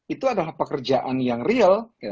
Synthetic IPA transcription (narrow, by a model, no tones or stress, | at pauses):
it̪uadalahpəkərd͡ʒaʔanjaŋriəlk